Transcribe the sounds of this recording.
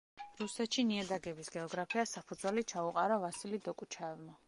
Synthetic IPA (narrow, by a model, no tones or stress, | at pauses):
ɾusɛt̪ʃiniad̪aɡɛbisɡɛɔɡɾapʰiasapʰud̪zwɛlit͡ʃʰauqʼaɾavasilid̪ɔkʼut͡ʃʰaɛvma